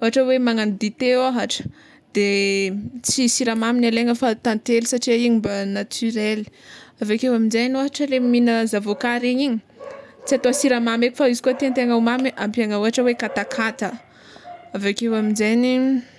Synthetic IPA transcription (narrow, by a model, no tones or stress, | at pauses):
oɦaʈ͡ʂəwemaŋanid̪it̪eaɦaʈ͡ʂə̥ | d̪̥e | t͡sisiɾamaminaleŋəfat̪ant̪elisaʈ͡ʂiaiɲimbanat̪ʰyɾeli̥avekewaminzajnioɦaʈ͡ʂəleminəzavokaɾiɲiɲi | t͡siat̪oasiɾamameku̥faizi̥kut̪ent̪eŋawmamiʔampiaŋaoɦaʈ͡ʂəwekat̪akʰat̪ə | avakewaminzejni